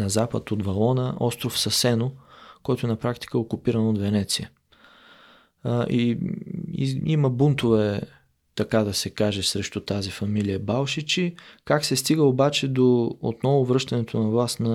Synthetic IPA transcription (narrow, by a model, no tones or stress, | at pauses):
nɐzapət̪od̪vɐlˠɔnəɔst̪ɾofsɐsɛnokɔjt̪ʊɛnɐpɾakt̪i̥kəɛokʊpiɾɐnod̪vɛnɛt̪siə̰ | ʔi | ḭiməbunt̪ovɛ | t̪ɐkad̪ɐsɛkaʒɛsɾɛʃt̪ʊt̪azifɐmilijəbalˠʃit͡ʃikaksɛst̪iɡəobat͡ʃɛd̪oo̰t̪nɔvʊvɾɤʃt̪ɐnɛt̪onɐvlˠasnɐ